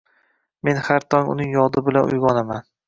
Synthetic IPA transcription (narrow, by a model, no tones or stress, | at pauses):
me̞nhaɾt̪ʰɒŋʊ̰nɪŋjɒd̪ɪbɪlanʊ̰jɡɒnaman